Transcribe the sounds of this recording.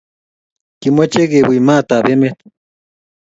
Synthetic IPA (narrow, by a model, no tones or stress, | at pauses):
kimet͡ʃeɣebijmat̪abemet̪